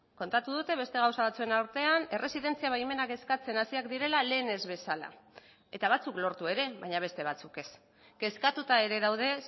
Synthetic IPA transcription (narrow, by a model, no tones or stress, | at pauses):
ko̞nt̪at̪uðut̪e̞β̞e̞st̪e̞ɣ̞awsaβat͡sue̞naɾt̪e̞ane̞re̞siðe̞nt͡siaβajme̞nake̞skat͡se̞nasiakd̪iɾe̞lale̞ːne̞zβe̞sala̰ | e̞t̪aβ̞at͡suklo̞ɾt̪ue̞ɾe̞βaɲaβ̞e̞st̪e̞β̞at͡suke̞s | ɡ̥e̞skat̪ut̪ae̞ɾe̞ðawðe̞